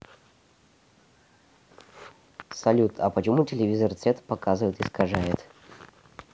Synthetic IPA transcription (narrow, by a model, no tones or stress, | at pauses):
sɐlʲut̪ʰɐpət͡ɕɪmutʲelʲevʲizərt̪sʲɛt̪pɐkazɨvəjt̪ɨskɐʐajɪt̪